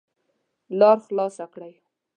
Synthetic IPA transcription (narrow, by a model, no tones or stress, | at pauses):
lɑɾxlɑsakɽaj